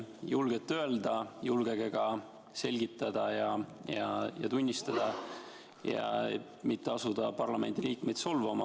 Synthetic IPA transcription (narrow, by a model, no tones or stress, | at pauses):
julɡ̥et̪ˑːø̞eld̪ɑjulɡ̥eɡ̥e̞ɡ̥ɑ | se̞lʲɡ̥it̪ˑːɑd̪̥ɑjɑjɑjɑ̰t̪unʲːist̪ɑd̪̥ɑ | jɑ̰ | mit̪ːeɑsud̪̥ɑpɑrlɑme̞̰nd̪iliːkme̞jd̪̥so̞lvɑmɑ